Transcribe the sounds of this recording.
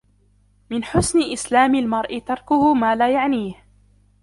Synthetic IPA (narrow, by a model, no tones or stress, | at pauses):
mɪnħʊsnɪʔɪslaːmɪlmɑɾˤʔɪt̪ɑɾˤkʊhʊmaːlaːjaʕniːh